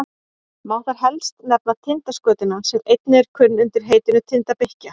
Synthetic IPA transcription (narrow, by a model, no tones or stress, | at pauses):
mawtaɾ̥ɦɛlst̪nɛp̚nat̪ʰɪnt̪askœːt̪ɪnamsɛɾejt̪nɪɛɾ̥kʰʏnːʏnt̪ɪɾ̥ɦeːjt̪ɪnʏt̪ʰɪnt̪apehca